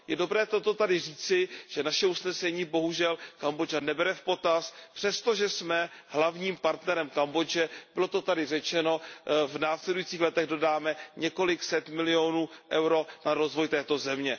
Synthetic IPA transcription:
jɛdo̞bɾɛːt̪o̞t̪ot̪adɪriːt͡sɪʒ̥ɛnaʃɛusnɛsɛɲiːbo̞ɦuʒɛlkambod͡ʒanɛbɛɾɛfpo̞t̪aspr̥ɛst̪o̞ʒɛsmɛɦlavɲiːmpaɾt̪nɛɾɛmkambo̞d͡ʒɛb̥ɪlo̞t̪o̞t̪adɪrɛt͡ʃɛno̞vnaːslɛdujit͡siːxlɛt̪ɛɣdo̞daːmɛɲɛko̞lɪksɛt̪mɪlɪo̞nuːʔɛwɾo̞naɾo̞zvojt̪ɛːt̪o̞zɛmɲɛ

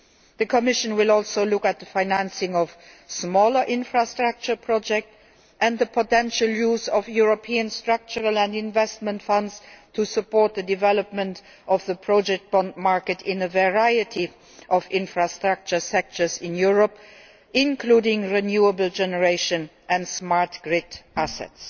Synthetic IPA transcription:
ðəkʰəmɪʃə̃nwɪlɔlˠsoʊlʊkət̪̚ðəfaɪnæ̃nsɪ̃ŋɔv̥ | smɔːlə˞ʔɪ̃nfɹastɹ̥ak̚t͡ʃə˞pʰɹ̥ɔd͡ʒɛk̚t | ʔæ̃nðəpʰotɛ̃nʃəljuːzɔvjuɹopʰiə̃nstɹ̥ʌk̚t͡ʃəɹəlæ̃ndɪ̃nvɛst̚mə̃ntfʌ̃ndztʰusəpɔɹt̪̚ðədɪvɛləp̚mə̃nt | ʔɔvðəpʰɹɔd͡ʒɛk̚t̚b̥ɔ̃ndmaɹkətʰɪ̃nəvəɹaɪətʰi | ʔɔvɪ̃nfɹastɹak̚t͡ʃə˞sɛk̚tə˞zɪ̃njuɹɔp | ɪ̃nkʰludɪ̃ŋɹinjuəbəl̩d͡ʒɛnəɹeɪʃə̃n | ʔæ̃ntsmaɹtɡ̥ɹɪtʔæsɛ̰ts

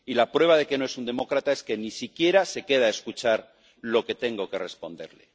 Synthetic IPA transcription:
ilapɾwe̞β̞að̞e̞ke̞no̞e̞sund̪e̞mo̞kɾat̪ae̞ske̞nisikje̞ɾase̞ke̞ð̞ae̞skut͡ʃaɾ | lo̞ke̞t̪e̞ŋɡo̞ke̞re̞spo̞nd̪e̞ɾle̞̰

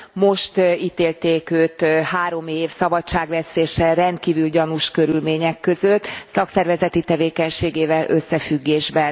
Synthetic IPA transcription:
mo̞ʃt̪iːt̪eːlt̪eːkøːt̪haːɾo̞meːfsɒbɒtt͡ʃaːɡʋɛseːʃɛrɛnt̪̚kiːvylɟɒnuʃkø̞ɾylmeːɲɛkːø̞zøt̪ːsɒksɛrvɛzɛt̪it̪ɛveːkɛɲʃeːɡeːvɛlʔø̰sːɛfyɡːeːʒbɛn

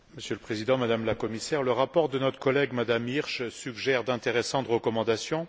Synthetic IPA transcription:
məsjøləpχezid̪ɑ̃mad̪amlakɔmisɛʁləʁapɔʁd̪ənɔt̪χə̥kɔlɛɡmad̪amiʁʃsyɡʒɛʁd̪ɛ̃t̪eʁesɑ̃t̪ʁəkɔmɑ̃d̪asjɔ̃

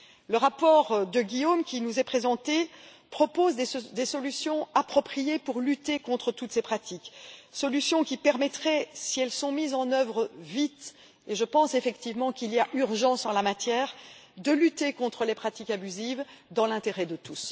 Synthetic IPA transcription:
ləʁapɔʁd̪əɡʲijomkʲinuzɛpχezɑ̃t̪e | pχɔpozd̪d̪esɔlysjɔ̃apχɔpχijepuʁlyt̪ekɔ̃t̪χət̪ut̪sepχat̪iksɔlysjɔ̃kʲipɛʁmɛt̪χɛsiɛlsɔ̃mizɑ̃nœvʁəvit̪ | eʒəpɑ̃sefɛkt̪ivmɑ̃kiliaʔyʁʒɑ̃sɑ̃lamat̪jɛːʁd̪əlyt̪ekɔ̃t̪χəlepχat̪ikabyzivd̪ɑ̃lɛ̃t̪eʁɛd̪ət̪us

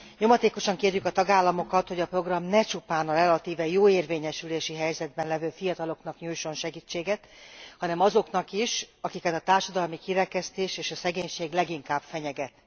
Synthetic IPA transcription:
ɲo̞mɒt̪eːko̞ʃɒŋkeːrjykɒt̪ɒɡaːlːɒmo̞kɒt̪ho̞ɟɒpro̞ɡrɒmnɛt͡ʃupaːnɒrɛlɒt̪iːvɛjoːeːrveːɲɛʃyleːʃiɦɛjzɛd̪̚bɛnlɛvøːfijɒt̪ɒlo̞knɒkɲuːjʃo̞nʃɛɡiːt͡ʃːeːɡɛt̪hɒnɛmɒzo̞kn̪ɒkiʃɒkikɛt̪ɒt̪aːrʃɒd̪ɒlmikiɾɛkɛst̪eːʃeːʃɒsɛɡeːɲʃeːɡlɛɡiŋkaːbfɛɲɛɡɛt̪

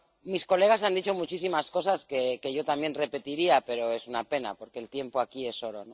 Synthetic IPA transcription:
misko̞le̞ɣ̞asand̪it͡ʃo̞mut͡ʃis̬imasko̞saske̞ke̞ʝo̞t̪ambje̞nre̞pe̞t̪iɾiape̞ɾo̞e̞sunape̞na̰po̞ɾke̞ːlt̪je̞mpoakie̞so̞ɾo̞no

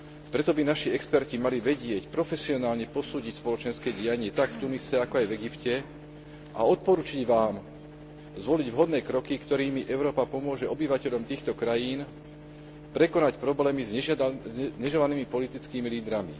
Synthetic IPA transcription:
pɾɛt̪ɔbinaʃiɛkspɛɾcimaliʋɛɟɪɛcpɾɔfɛsiɔnaːlɲɛpɔsuːɟicspɔlɔt͡ʃɛnskɛːɟɪaɲɪɛt̪akft̪unisɛakɔajvɛɡipcɛ | ʔa̰ɔt̪̚pɔɾuːt͡ʃiɟʋaːm | zʋɔliɟʋɦɔd̪nɛːkɾɔkikt̪ɔɾiːmiʔɛʊɾɔːpapɔmʊɔʒɛɔbiʋacɛʎɔmt̪iːxt̪ɔkɾajiːn | pɾɛkɔnacpɾɔblɛːmizɛ | ɲɛʒɛlaniːmipɔlit̪it͡skiːmiliːd̪ɾamḭ

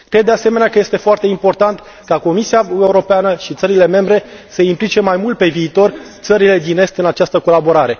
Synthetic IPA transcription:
kɾe̞d̪dːease̞me̞neakəjest̪e̞foart̪e̞impo̞rt̪ant̪ | kako̞misiaeuɾo̞peanəʃit̪səɾile̞me̞mbɾe̞səimplit͡ʃe̞majmult̪̚pe̞viːt̪o̞rt̪səɾile̞d̪ine̞st̪ɨnat͡ʃast̪əko̞labo̞ɾaɾe̞

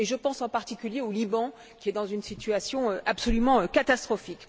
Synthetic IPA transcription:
eʒəpɑ̃sɑ̃paʁt̪ikʲyljeolibɑ̃ | kʲiɛd̪ɑ̃zynsit̪yasjɔ̃øʔapsɔlymɑ̃økat̪ast̪χɔfik

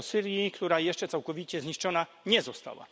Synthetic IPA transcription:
sɘɾjikt̪uɾajɛʂt͡ʂɛt̪sawkɔvʲit͡ɕɛzɲiʂt͡ʂɔna | ɲɛzɔst̪a̰wa̰

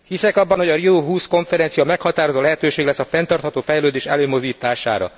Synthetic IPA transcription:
hisɛkɒbːɒnhoɒrioːɦuːsko̞ɱfɛɾɛnt̪sijɒmɛkhɒt̪aːɾo̞zoːlɛɦɛt̪øːʃeːɡlɛsːɒfɛnt̪ɒrt̪hɒt̪oːfɛjløːd̪eːʃɛløːmo̞zd̪iːt̪aːʃa̰ːɾɒ̰

